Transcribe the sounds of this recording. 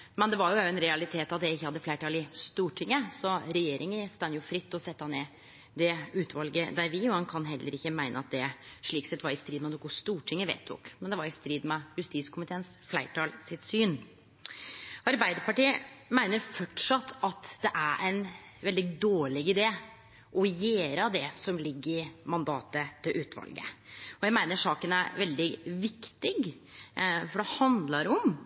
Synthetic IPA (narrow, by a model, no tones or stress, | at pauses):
mɛnd̪ɛʋɑɾjʊʊɛnɾɛɑlɪt̪ʰeːt̪ɑt̪̚d̪ɛɪçːəhɑd̪ːəflæɪʈɑːlɪst̪uːʈʰɪŋːəsɔɾɛjeːɾʔɪŋəst̪ɑnjʊfɾɪt̪ːɔsɛt̪ːəhɑneː | d̪ɛʉːt̪ʰʋɑlɡəd̪æɾʋɪɔhɑnkʰɑnɦɛlːəɾɪçːəmæɪnə̰ɑt̪̚d̪ɛʂɭiːksɛt̪ːʋɑɾɪst̪ɾiːd̪mɛnʊkːʊst̪uːʈʰɪŋːəʋḛːt̪ʰːʊ̰kmɛnd̪ɛʋɑɾɪst̪ɾiːd̪mɛjʉst̪iːskʰʊmɪt̪ʰeːnsflæɪʈʰɑːlsɪt̪syːn | ɑɾbæɪd̪əɾpʰɑʈiːəmæɪnəɾfɔʈʂɑt̪ʰːɑt̪d̪ɛʔæɾʔæɪn | ʋɛld̪ɪd̪oːɭɪɡɪd̪eː | ʔɔjeːɾəd̪ɛsɔmlɪɡːɾɪmɑnd̪ɑːt̪ət̪ʰɪlʔʉːt̪ʰʋɑ̰lɡə̰ɔjæɪmæɪnəʂɑːkənæɾʋɛld̪ɪʋɪkt̪ɪɡ | fɔɖɛhɑnd̪lɑɾɔm